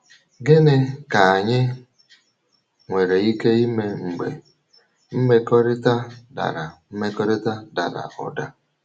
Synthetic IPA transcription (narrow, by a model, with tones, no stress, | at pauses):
ɡɪ˦nɪ˦ka˨a˨ɲɪ˦ | ŋʷe˨ɾe˨i˦ke˦i˦me˦ŋ͡m̩˨ɡ͡bḛ˨ | m̩˦me˦kɔ˦ɾɪ˦ta˦da̰˨ɾa˨m̩˦me˦kɔ˦ɾɪ˦ta˦da̰˨ɾa̰˨ɔ̰˨da˦